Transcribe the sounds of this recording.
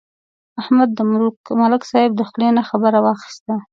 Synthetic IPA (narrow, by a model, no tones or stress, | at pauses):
ahmad̪ːəmalɪksɑɪb̚d̪əxlenaxabəɾawɑxɪ̥st̪a